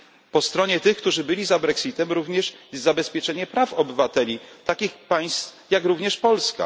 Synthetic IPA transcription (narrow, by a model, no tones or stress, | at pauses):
pɔst̪ɾɔɲɛt̪ɘxkt̪uʐɘbɘlʲizabɾɛksit̪ɛmɾuvɲɛʂɛzzabɛspʲjɛt͡ʂɛɲɛpɾafɔbɘvat̪ɛlʲit̪akʲixpaj̃st̪f | jakɾuvɲɛʂpɔlska̰